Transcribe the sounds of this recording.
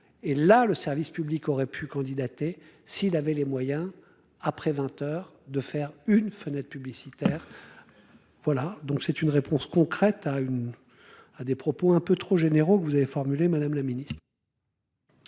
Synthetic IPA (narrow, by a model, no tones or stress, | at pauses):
elaləsɛʁvispyblikɔʁɛpʰykɑ̃d̪id̪at̪esiːlavɛlemwajɛ̃ | apχɛvɛ̃t̪œːʁ | d̪əfɛʁynfənɛt̪̚pyblisit̪ɛːʁ | vwalad̪ɔ̃ksɛt̪ynʁepɔ̃skɔ̃kχɛt̪ayn | ad̪epχɔpoɛ̃pøt̪χoʒeneʁokəvuzavefɔʁmylemad̪amlaminist̪χ